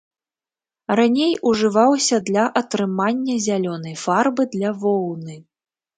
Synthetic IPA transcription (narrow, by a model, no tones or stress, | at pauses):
ranʲejʔuʐɨvawsʲɐd̪lʲɐʔɐt̪ɾɨmanʲːɐzʲalʲɔnɐjfarbɨd̪lʲɐvɔwnɨ